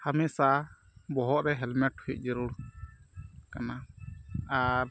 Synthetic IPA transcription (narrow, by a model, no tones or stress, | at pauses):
hamisa | bɔɦɔʔɾɛɦɛlmɛʈ̚ːʰuiʔ̚ˀd͡ʒɛɾuɽ | kana | aɾ